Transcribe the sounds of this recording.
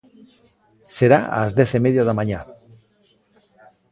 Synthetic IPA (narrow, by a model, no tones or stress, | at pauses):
seɾaa̰zðɛθemeðjaðamãɲa